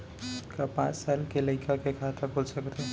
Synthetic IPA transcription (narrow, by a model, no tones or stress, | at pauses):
kapã̰t͡ssalkeləɪkakekʰat̪akolsəkt̪ʰe